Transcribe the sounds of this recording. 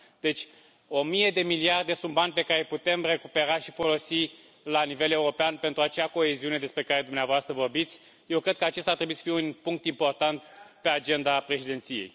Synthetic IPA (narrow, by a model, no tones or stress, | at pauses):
d̪e̞t͡ʃʲ | o̞mije̞d̪e̞miliard̪e̞sunt̪̚banʲpe̞kaɾe̞put̪e̞mre̞kupe̞ɾaʃifo̞lo̞si | lanive̞le̞uɾo̞peanpe̞nt̪ɾuat͡ʃeako̞e̞ziune̞d̪e̞spɾe̞kaɾe̞d̪umneavoast̪ɾəvo̞rbit̪sʲ | je̞wkɾekəat͡ʃest̪art̪ɾebuisə̥fijeunpuŋk̚t̪impo̞rt̪ant̪pe̞ad͡ʒe̞nd̪apɾeʃid̪e̞nt̪sije̞̰j